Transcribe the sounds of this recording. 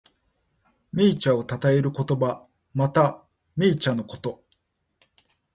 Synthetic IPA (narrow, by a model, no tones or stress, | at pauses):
mʲiːt͡ɕao̞t̪at̪ae̞ɾɯ̟ko̞t̪o̞ba | mat̪a | mʲiːt͡ɕano̞ko̞̥t̪o̞